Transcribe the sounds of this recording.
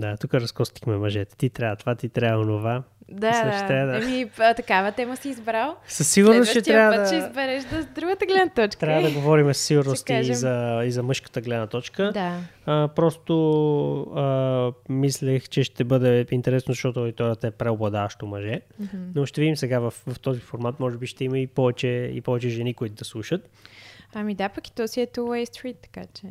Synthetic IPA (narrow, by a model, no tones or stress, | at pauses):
d̪at̪ukəɾɐskɔst̪i̥xmɛmɐʒɛt̪ɛ̥t̪it̪ɾʲavət̪ovat̪it̪ɾʲaəonova | d̪asat͡ʃit̪ɾʲavəd̪əɛmit̪ɐkavət̪ɛməsiːzbɾalˠsəsːiɡʊɾnost͡ʃɛt̪ɾjavəd̪t͡ʃɛizbɛɾɛʃd̪ɐzd̪ɾuɡət̪əɡlɛd̪nət̪ɔt͡ʃk̪ɾavəd̪ɐɡovɔɾimɛsəsiɡʊɾnʊst̪izɐizɐmɤʃkə̥t̪əɡlɛd̪nət̪ɔt͡ʃkəd̪aəpɾɔst̪o | əmislʲɛxt͡ʃɛʃt̪ɛbɤd̪ɛint̪ɛɾɛsnozɐʃt̪ɔt̪ʊod̪it̪ɔɾjət̪əɛpɾɛoblˠɐd̪avɐʃt̪omɐʒɛnoʃt̪ɛvid̪imsɛɡavɐfvɐft̪ɔzifoɾmat̪mɔʒɛbiʃt̪ɛiməipɔvɛt͡ʃɛḭpɔvɛt͡ʃɛʒɛnikoit̪ʊd̪ɐslˠuʃət̪̚ɐmid̪apɐki̥t̪ɔsiɛt̪uɛjst̪ɾit̪ːɐ̥ka̰t͡ʃɛ